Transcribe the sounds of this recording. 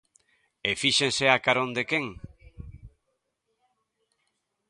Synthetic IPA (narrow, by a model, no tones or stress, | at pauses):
efiʃẽnseakaɾõnd̪ekeŋ